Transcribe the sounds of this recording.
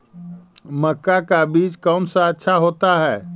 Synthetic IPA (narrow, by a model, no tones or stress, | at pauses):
məkːakabiːd͡ʒkəːnsə̃ətːʃʰaɦot̪aɦɛː